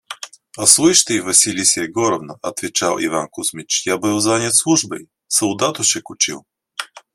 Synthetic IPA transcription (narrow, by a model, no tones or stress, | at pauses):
ɐslˠujʃt̪əivɐsʲilʲisʲɛɛɡɔɾovnɐɐt̪vɛt͡ʃalˠḭvankʊsmit͡ʃjabəlˠzanʲət̪slˠuʒbəj | sɐlˠd̪at̪oʃɛkʊt͡ʃilˠ